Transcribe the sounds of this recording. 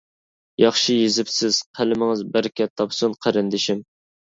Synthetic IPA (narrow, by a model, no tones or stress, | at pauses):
jɑχʃijezɪpsɪz̥qʰælɪmɪŋɨzbæɾkʲɛt̪ʰːɑpsunqʰəɾɪnd̪ɪʃim